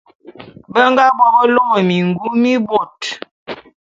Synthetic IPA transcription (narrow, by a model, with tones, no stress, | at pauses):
bə˦ŋ˦ɡa˦bɔ˦bɔ˦lo˦mɔ˨mi˨ŋɡu˦mi˦bo˨t